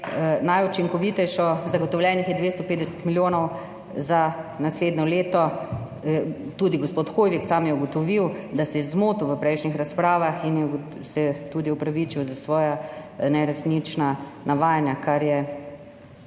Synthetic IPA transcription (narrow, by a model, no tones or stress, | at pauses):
najut͡ʃiŋkɔʋit̪ɛjʃɔzaɡɔt̪ɔwlʲjɛnixjɛd̪ʋeːst̪ɔpeːd̪ɛsɛ̥t̪miljoːnɔw | zanasleːd̪nɔleːt̪ɔ | t̪uːd̪iɡospot̪xoːjʋiksaːmjɛuɡɔt̪ɔʋiwd̪asɛjɛzmoːt̪uʋəpɾɛjʃnixɾaspɾaːʋaxinjɛ | sɛt̪ud̪iupɾaʋit͡ʃiwzasʋɔːjanɛɾɛsnit͡ʃnanaʋaːjanjakaɾjɛ